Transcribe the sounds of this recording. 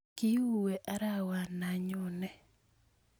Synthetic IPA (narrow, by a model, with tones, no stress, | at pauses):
ki˦u˦˨we˨ʔa˦ɾa˦wa˨na˨ɲʊ˨nɛ˨